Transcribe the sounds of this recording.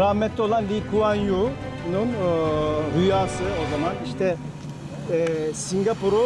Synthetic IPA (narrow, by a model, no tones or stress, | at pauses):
ɾaːmɛt̪ʰːʲɛo̞lˠanlʲikʰuanju | nun | ɾyjaːsɯo̞zamaniʃt̪ʰɛ | siŋɡapuɾu